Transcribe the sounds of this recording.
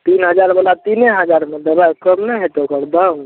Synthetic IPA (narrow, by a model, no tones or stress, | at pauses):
t̪inɦəd͡ʒaɾbəlat̪ineɦəd͡ʒaɾmed̪əbʱajkəmnəɦet̪okəɾd̪aũ